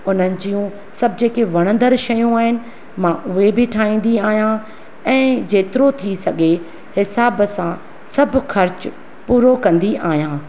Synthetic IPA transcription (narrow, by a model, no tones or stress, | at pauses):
ʊn̤ənɪ̆d͡ʑijũ | sɐbʱɪd͡ʑeːkeʋɐɽ̃ə̃nd̪əɾʃɐjũaːɦɪnɪ̆ | mãʔʊɦebɪʈʰaːĩːn̆d̪iaːɦijã | ɛ̃ːd͡ʑeːt̪ɪɾot̪ʰisɐɡʱe | hɪsaːbsã | sɐbʱʊxɐɾt͡ɕ | puːɾokɐ̃nd̪iʔaːɦijãː